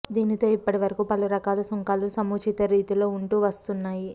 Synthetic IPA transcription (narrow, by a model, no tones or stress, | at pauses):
d̪iːnit̪o̞ːipːɐʈiʋɐɾɐkupɐluɾɐkaːlɐsɔŋkaːlusɐmuːt͡ʃit̪ɐɾiːt̪ulo̞ːuɳʈuːʋɐst̪unːaːji